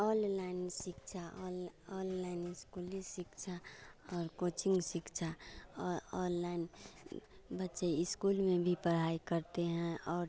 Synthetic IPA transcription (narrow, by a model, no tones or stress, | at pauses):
ɔllaɪnsɪkt͡ʃʰalɔlːaɪnɪskulisɪkt͡ʃʰaɔːɾkot͡ʃɪ̃ŋɡsɪkt͡ʃʰa | ɔlːaɪn | bətːʃeɪskulmẽbʱipəɽ̤aikəɾt̪eɦɛ̃ɔːɾ